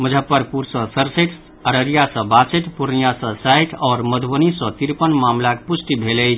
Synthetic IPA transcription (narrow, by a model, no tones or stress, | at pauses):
məd͡ʒʱəpːəɾpuɾsə̃səɾseʈ | əɾəɾijasə̃bat͡səʈ̪puɾnijasə̃sajʈʰɔːɾməd̪ʱbənisə̃t̪iɾpənmamlakpusʈibʱeləjt͡ʃʰ